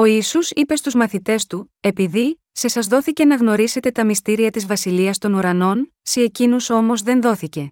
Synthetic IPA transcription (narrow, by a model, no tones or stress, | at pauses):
o̞iːsusipe̞st̪uzmɐθit̪e̞st̪u | e̞piði | se̞sɐzðo̞θice̞nɐɣno̞ɾise̞t̪e̞t̪ɐmist̪iɾiɐt̪izvɐsiliɐst̪o̞nuɾɐno̞n | seːcinuso̞mo̞zðe̞nðo̞θice̞